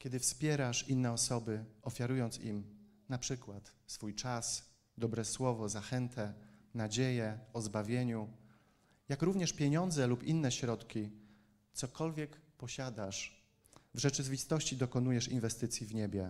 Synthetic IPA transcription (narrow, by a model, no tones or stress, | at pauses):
kʲɛd̪ɘfspʲjɛɾaʂinːɛɔsɔbɘɔfʲjaɾujɔnt̪sḭm | napʂɘkwat̪sfujt͡ʂas | d̪ɔbɾɛswɔvɔzaxɛnt̪ʰɛnad͡ʑejɛɔzbavʲjeɲu | jakɾuvɲɛʂpʲjeɲɔnd̪zɛlupinːɛɕɾɔt̪kʲi | t̪sɔkɔlvʲjɛkpɔɕad̪aʂ | vʐɛt͡ʂɘvʲist̪ɔɕt͡ɕid̪ɔkɔnujɛʂinvɛst̪ɘt̪sʲjivɲebʲjɛ